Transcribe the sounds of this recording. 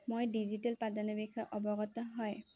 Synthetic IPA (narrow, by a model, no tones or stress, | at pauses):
mojdizitɛlpadanɔbikʰaʔɔbɔɡɔtɔɦɔj